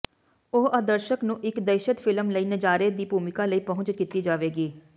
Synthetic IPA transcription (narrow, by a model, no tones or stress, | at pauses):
oːʔad̪əɾʃəknũːʔɪkd̪əːʃət̪fʰɪləmləiːnəd͡ʒaːɾed̪iːbʱuːmɪkaːləiːpəɦʊ̃ɲt͡ʃkɪt̪iːd͡ʒaːʋeːɡiː